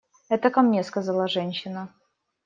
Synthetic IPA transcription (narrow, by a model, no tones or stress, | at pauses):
ɛt̪əkɐmnʲe̞skɐzalˠəʐɛnʲɕːɪnə